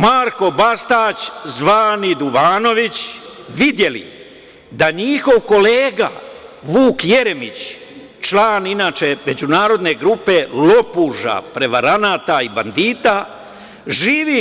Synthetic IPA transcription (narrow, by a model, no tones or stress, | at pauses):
maːɾko̞bast̪aːt͡ɕzʋaːnid̪uʋaːno̞ʋit͡ɕʋid̪je̞lḭ | d̪aɲixo̞ʋko̞leːɡa̰ʋuːkje̞ɾe̞mḭt͡ɕ | t͡ʃlaːninaːt͡ʃe̞me̞d͡ʑunaːɾo̞d̪ne̞ɡɾupe̞lo̞puʒa̰pɾe̞ʋaɾanaːt̪aiband̪iːt̪a | ʒiːʋi